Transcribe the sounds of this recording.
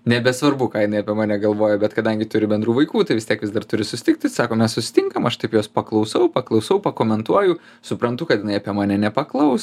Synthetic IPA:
nʲɛbʲɛsʋɐrbʊkɑːjɪnɐɪɐpʲiɛmɑːnʲɛɡɐlˠʋoːjoːbʲɛt̪kɐd̪ɐŋʲɡʲɪt̪ʊɾʲɪbʲɛnd̪ɾuːʋɐɪkuːt̪ɐɪʋʲɪst̪ʲiɛkʋʲɪzd̪ɐrt̪ʊɾʲɪsʊsʲɪ̥t̪ʲɪk̚t̪ʲɪsɑːkoːmʲɛssʊsʲɪ̥t̪ʲɪŋkɐmɐʃt̪ɐɪpjoːspɐklˠɐʊsɐʊpɐklˠɐʊsɐʊpɐkoːmʲɛnt̪uɔjʊ | sʊpɾɐnt̪ʊkɐt̪jɪnɐɪɐpʲiɛmɑːnʲɛnʲɛpɐklˠɐʊs

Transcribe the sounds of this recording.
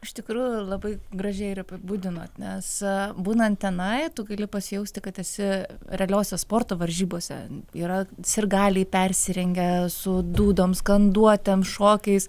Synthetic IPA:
ɪʃt̪ʲɪkɾuːjʊlˠɐbɐɪɡrɐʒʲɛɪɪɾɐpʲɪbuːd̪ʲɪnoːt̪nʲɛsbuːnɐnt̪t̪ʲɛnɐɪt̪ʊɡɐlʲɪpɐsʲɪjɛʊsʲt̪ʲɪkɐt̪ɛsʲɪɾʲɛɐlʲoːsʲɛspoːrt̪oːʋɐɾʲʒʲiːboːsʲɛ̰iːɾɐsʲɪrɡɑːlʲiːpʲɛrʲsʲɪɾʲɛŋʲɡʲɛsʊd̪uːd̪oːmskɐnd̪uɔt̪ʲɛmʃoːkʲɛɪs

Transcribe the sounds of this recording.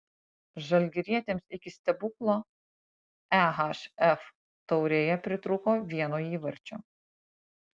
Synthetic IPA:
ʒɐlʲɡʲɪɾʲiɛt̪ʲeːmsɪkʲɪsʲt̪ʲɛbʊklˠoː | æɦɑʃɛf | t̪ɔʊɾʲeːjɛpʲɾʲɪt̪ɾʊkoːʋʲiɛnoːiːʋɐɾʲt͡ʃʲu

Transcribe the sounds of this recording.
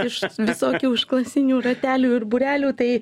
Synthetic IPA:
ɪʃʋʲɪsoːkʲuːɪʃklˠɐsʲɪnʲuːɾɐt̪ʲæːlʲuːɪrbʊɾʲæːlʲuːt̪ɐɪ

